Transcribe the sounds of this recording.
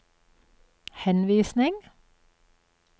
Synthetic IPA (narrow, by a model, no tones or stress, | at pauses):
hɛnʋiːsnɪŋ